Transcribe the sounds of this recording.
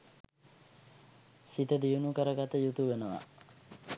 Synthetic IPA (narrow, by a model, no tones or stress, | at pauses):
sit̪əd̪ijunukəɾəɡat̪əjut̪uʋenəʋa̰